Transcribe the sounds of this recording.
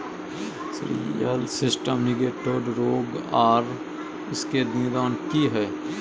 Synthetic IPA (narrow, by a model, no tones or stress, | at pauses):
sɾḭjəlsɪsʈəmnɪɡeːʈoːɾɾoːɡaːɾ | ɪskenɪd̪aːnkiɦɛː